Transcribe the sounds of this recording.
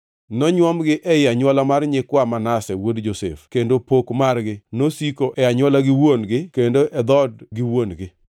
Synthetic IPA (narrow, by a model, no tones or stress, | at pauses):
nɔɲwɔmɡɪʔɛjaɲwɔlamarɲɪkwamanasɛwodd͡ʒosɛ̰fkendopokmarɡɪnosikoʔɛaɲwɔlaɡɪwonɡɪkendoʔɛd̪ɔdɡɪwonɡɪ